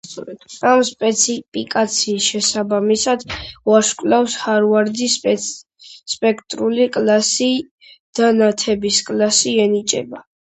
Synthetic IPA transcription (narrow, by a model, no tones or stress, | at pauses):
amspʼɛt̪sʰipʰʼikʼat̪sʰiːsʃɛsabamisad̪̥waɾʃkʼwlawshaɾvaɾd̪i | spʼɛkʰt̪ʼɾulikʼlasi | d̪̥anat̪ʰɛbiskʼlasiɛnit͡ʃʼɛ̰ba